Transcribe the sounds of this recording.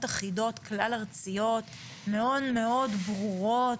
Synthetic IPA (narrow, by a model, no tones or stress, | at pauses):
taχido̞t̪klalaʁt͡sijo̞t̪ | meo̞dme̞o̞dbʁuʁo